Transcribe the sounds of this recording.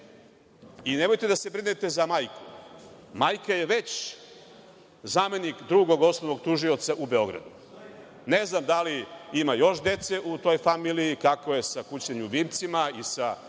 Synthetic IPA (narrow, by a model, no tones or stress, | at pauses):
ine̞mo̞jt̪e̞d̪ase̞bɾinet̪e̞zamaːjku̥majkaje̞ʋe̞t͡ɕ | zame̞nikd̪ɾuɡo̞ɡo̞snoʋo̞ɡt̪uʒio̞t̪saʔube̞o̞ɡɾa̰d̪u | ne̞znamd̪aliimajo̞ʃd̪e̞t̪seʔut̪o̞jfamiliikakoje̞sakut͡ɕɲeɲuʋimt̪simaisa